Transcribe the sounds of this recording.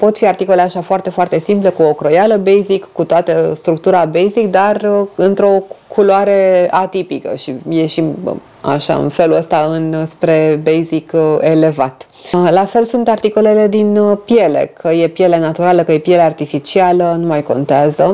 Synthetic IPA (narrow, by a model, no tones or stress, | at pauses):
po̞t̪fiart̪iko̞le̞aʃafoart̪e̞foart̪e̞simple̞kuokɾo̞jaləbejzikːut̪oat̪əst̪ɾuk̚t̪uɾabejzik̚d̪arɨnt̪ɾo̞kʰuloaɾeat̪ipikə̰ʃije̞ʃim | a̰ʃa̰ɨ̰nfe̞luəst̪aɨnspɾe̞bejzikele̞vat̪lafe̞lsunt̪art̪iko̞le̞le̞d̪inpje̞le̞̰kʰəje̞pjelenat̪uɾaləkəje̞pjeleart̪ifit͡ʃialənumajko̞̰nt̪eazə